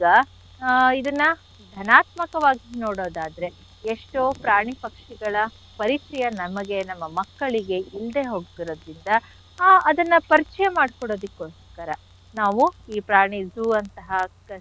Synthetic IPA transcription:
ɡɐ | id̪ɐnːɐ | d̪ʱɐnaːt̪mɐkɐʋaːɡinoːɽo̞ːd̪aːd̪ɐɾe̞ | eʂʈoːpɾaːɳipɐkʂiɡɐɭɐ | pɐɾitɾijɐnɐmɐɡe̞nɐmːɐmɐkːɐɭiɡe̞ild̪e̞ɦoɡɡ̪iɾoːd̪ɾind̪ɐː | d̪ɐnːɐpɐɾit͡ʃɐjɐmaːɽkɔɽo̞ːd̪ikeoːskɐɾɐ | naːʋuiːpɾaːɳid͡ʒuɐnt̪ɐɦɐ

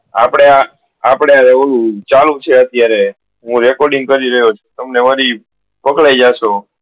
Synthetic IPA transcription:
a̰pɽ̃ea | apɽeaɾebəɾũt͡ʃalũt͡ʃʰeət̪jaɾe | ɦũɾɛkɔɾɖĩŋɡ̚kəɾiɾəɦjot͡ʃʰut̪əmneʋəɾi | pəkɭajd͡ʒaʃo

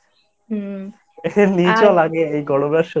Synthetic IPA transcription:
enid͡ʑolaɡeejɡɔɽobeʃo

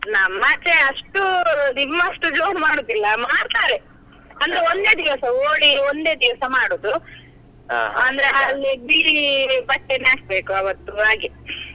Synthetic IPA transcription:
nɐmːat͡ʃeɐʂʈud̪imːɐɐʂʈud͡ʒoːnmaːɽud̪ilːɐmaːɽt̪aːɾe | ɐnd̪ɐɾeond̪e̞ːd̪iʋɐsɐoːɽiond̪e̞ːd̪iʋɐsɐmaːɽoːd̪u | ɐnd̪ɐɾealːibiːipɐʈːenaːsbe̞ːkuɐʋɐt̪ːuaːɡe

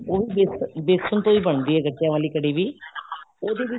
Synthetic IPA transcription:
oːʋiːbɪsbɪsənt̪õːiːbəɳ̃nd̪iːɦɛːɡəʈːijãːʋaːliːkəɽiːʋiː | oːd̪eːʋɪ

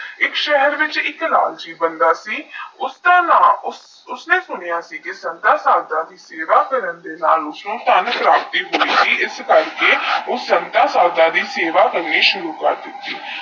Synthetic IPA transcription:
ɪkʃɛɦəɾʋɪt͡ʃɪkla̰ːld͡ʒiːbənd̪aːsiːʊst̪ãːnaːʊs | ʊsnẽːsʊnɪjaːsiːkɪsənt̪ãːsaːlt̪ãːd̪iːseːʋaːkəɾənd̪eːnaːlʊsnõːt̪ənpɾaːp̚t̪iːɦoːiːsiːɪskəɾkeːʊənt̪ãːsaːlt̪ãːd̪iːseːʋaːkəɾniːʃʊɾuːkəɾd̪ɪt̪ːiː

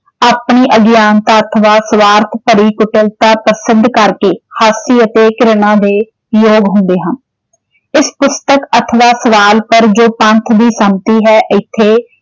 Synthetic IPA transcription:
aːpniːʔəɡjaːnt̪aːət̪ʰʋaːsʋaːɾt̪ʰpəɾiːkʊʈəlt̪aːpɾəsɪd̪kəɾkeːhaːsiːət̪eːkɾɪɽ̃ãːd̪eː | joːɡɦʊ̃nd̪eːɦən | ɪspʊst̪əkət̪ʰʋaːsəʋaːlpəɾd͡ʒoːpənt̪ʰd̪iːsəmt̪iːɦɛːʔɪt̪ʰːeː

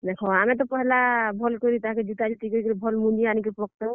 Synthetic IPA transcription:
d̪ekʰɔamẽt̪̬ɔpɔɦɛlabʱɔlkɔɾit̪ɔɦãked͡ʒut̪ad͡ʒit̪ikɔɾikɾibʱɔlmud͡ʒianik̬epɾɔkt̪ɔ

